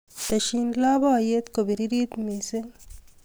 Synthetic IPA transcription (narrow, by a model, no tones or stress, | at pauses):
t̪ɐʃiːnlaːbajet̪kobiɾiɾiːt̪miseŋ